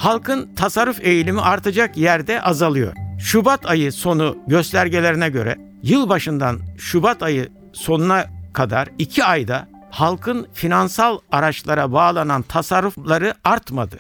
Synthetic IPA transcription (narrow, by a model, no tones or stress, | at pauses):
halˠkʰɯnt̪ʰasaɾːufe̞jlʲimiʔaɾt̪ʰad͡ʒakjæɾd̪ɛʔazalˠɯjo̞̰ɾ̥ʃubat̪ʰajɯso̞nuɟø̞st̪lʲæɾɟelʲe̞ɾinɛɟø̞̰ɾɛ̰ | jɯlˠbaʃɯnd̪anʃubat̪ʰajɯ | so̞nunakʰad̪aɾicʰiajd̪a | halˠkʰɯnfinansalˠaɾat͡ʃlˠaɾabaːlˠanant̪ʰasaɾːuflˠaɾɯaɾt̪mad̪ɯ